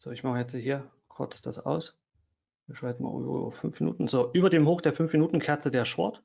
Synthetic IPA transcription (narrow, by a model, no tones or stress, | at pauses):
z̥o̰ːɪçmaχəjɛt͡sːhɦiːɐ | kʰʊɐt͡sd̥asʔa̰ʊs | viːɐʃʁ̥aɪtn̩ma̰ʔṵfʏnfminṵːtn̩z̥oːʔyːbɐdeːmɦoːxd̥eːɐfʏnfminuːtn̩kʰɛɐt͡sədeːɐʃpɔ̰ɐt